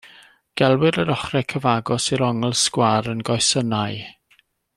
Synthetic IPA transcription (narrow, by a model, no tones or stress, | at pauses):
ɡ̥ɛlˠwɨɾəɾɔχrɛkʰəvaɡɔsiɾɔŋɛlˠskwaɾənɡɔjsənaj